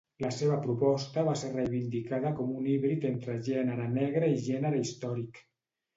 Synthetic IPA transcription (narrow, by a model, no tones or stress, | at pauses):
ləseβəpɾupɔst̪əβaserrejβind̪ikaðəkɔmuniβɾit̪ent̪ɾəʒɛnəɾənɛɣɾəiʒɛnəɾəist̪ɔɾik